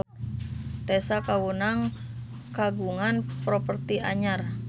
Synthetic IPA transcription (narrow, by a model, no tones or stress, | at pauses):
t̪ɛsakawunaŋ | kaɡuŋanpɾɔpərt̪iʔa̰ɲar